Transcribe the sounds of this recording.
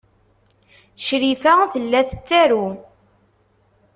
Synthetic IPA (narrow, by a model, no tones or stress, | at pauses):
ʃɾifæθəlːæθət͡sːæɾu